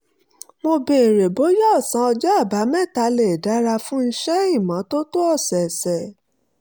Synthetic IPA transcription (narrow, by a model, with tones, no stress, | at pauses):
mo˧be˨e˨ɾe˨bo˨˦jɔ˦˨sã˨˦ɔ˧d͡ʒɔ˦a˦˨ba˨˦mɛ̃˦˨ta˧le˨da˨˦ɾa˧fũ˦n̩˦ʃɛ˦i˦˨mã˨˦to˦to˦ɔ˦˨sɛ˨sɛ˨